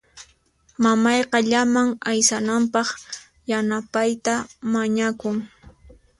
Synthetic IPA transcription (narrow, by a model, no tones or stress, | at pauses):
mamɑjqɑʎamaŋajsanampɑχ | janapajt̪amaɲakʊŋ